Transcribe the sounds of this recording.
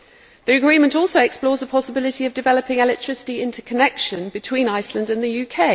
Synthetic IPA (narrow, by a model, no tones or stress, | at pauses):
ðiəɡɹĩmə̃ntɔˑlˠsəʊɛksplɔːzəpʰɒsəbɪlɪtiəvdɪvɛləpɪ̃ŋɛlɛk̚tʰɹ̥ɪsɪ̥tiɪ̃ntʰəkʰənɛkʃə̃nbɪtʰw̥ĩːnaɪslə̃ndə̃nðəjʉːkʰeɪ